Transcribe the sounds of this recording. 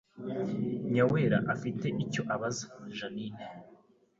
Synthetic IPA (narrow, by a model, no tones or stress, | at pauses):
ɲaweɾa̰ʔafite̞ʔico̞ʔaβazḁʒanine